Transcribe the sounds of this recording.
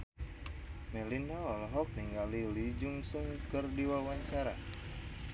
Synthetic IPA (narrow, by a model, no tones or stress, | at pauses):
mɛlinaɔlɔɦɔk̚niŋɡalilid͡ʒuŋsuŋkɨrdiwalwaɲt͡ʃaɾa̰